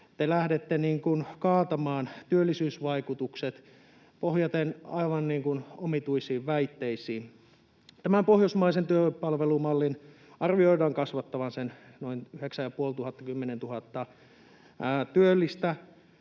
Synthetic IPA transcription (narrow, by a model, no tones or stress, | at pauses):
t̪elæhdet̪ːeniːŋkunkɑːt̪ɑmɑːnt̪yølːisyːsʋɑikut̪ukset̪ | pohjɑt̪enɑ̰iʋɑnniːŋkunomit̪uisiːʋʋæit̪ːeisiːn | t̪æmæmpohjosmɑisent̪yøpɑlʋelumɑlːin | ɑrʋioidɑːŋkɑsʋɑt̪ːɑʋɑnsen | noinyheksæjɑpuolt̪uhɑt̪ːɑkymːenent̪uhɑt̪ːɑː | t̪yølːist̪æ